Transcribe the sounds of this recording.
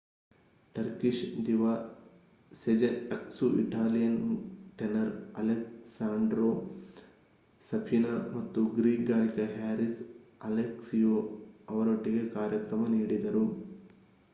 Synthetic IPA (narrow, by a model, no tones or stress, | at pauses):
ʈɐɾkiʃd̪iʋaː | sed͡ʒeɐksuʔḭʈaːlijɐnʈenɐɾɐleksaːɳɖɾoː | sɐpʰinɐmɐt̪ːuɡɾiːɡaːlikɐɦaːɾis | ɐleksijoː | ɐʋɐɾoʈːiɡe̞kaːɾjɐkɾɐmɐniːɽid̪ɐɾu